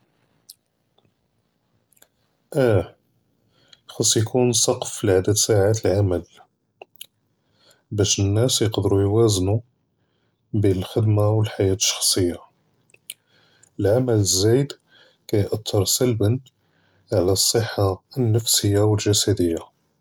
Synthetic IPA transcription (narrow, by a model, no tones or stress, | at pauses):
ʔæ | xɑsˤːjkʰunsˤɑqflʕad̪əd̪saʕat̪əlʕaməl | bæʃənːæsjəqd̪ɾujwæznu | biəlxəd̪mawəlħajæt̪ə̥ʃːɑ̥xsˤəjːa | əlʕamələzːæjd̪ | kæjʔət̪ʰːəɾˤsælbən | ʕlæsˤːəħːaənːəfsəjːawəlʒæsæd̪əjːa